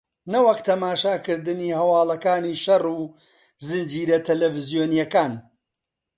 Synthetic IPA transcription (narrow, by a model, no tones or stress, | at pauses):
nɐwɐkt̪ʰɐmaːʃaːkɨɾd̪ɨniːhɐwaːlɐkaːniːʃɐruː | zɨnd͡ʒiːɾɐt̪ʰɐlɛvɨzijoːnijɐkaːn